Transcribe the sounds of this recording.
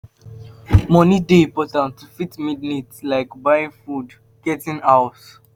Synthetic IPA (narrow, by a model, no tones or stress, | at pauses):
mɔnidepɔtãntʰufitmidnitslaɪkbaɪĩŋfud | ɡ̥ɛtĩnaʊs